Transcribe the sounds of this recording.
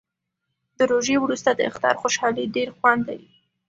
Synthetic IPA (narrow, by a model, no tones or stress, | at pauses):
d̪̥əɾoʒewɾust̪ad̪əɪ̰xt̪ɑ̰ɾxoʃɑliɖeɾxwand̪lawi